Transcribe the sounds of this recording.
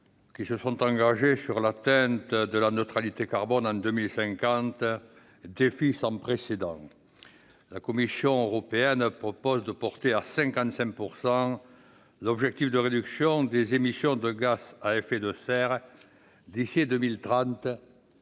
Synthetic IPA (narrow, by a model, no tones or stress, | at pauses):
kisəsɔ̃t̪ɑ̃ŋɡaʒesyʁlat̪ɛ̃nt̪d̪əlanət̪χalit̪ekaʁbɔnɑ̃d̪ømilsɛ̃ŋkɑ̃t̪ | d̪efisɑ̃pχesed̪ɑ̃ | lakɔmisjɔ̃øʁɔpeɛnpχɔpɔzd̪əpɔʁt̪easɛ̃ŋkɑ̃nt̪sɛ̃ŋk̚puʁsɑ̃ | lɔbʒɛk̚t̪ifd̪əʁed̪yksjɔ̃d̪ezemisjɔ̃d̪əɡasaɛfed̪əsɛʁ | d̪isid̪ømilt̪χɑ̃t̪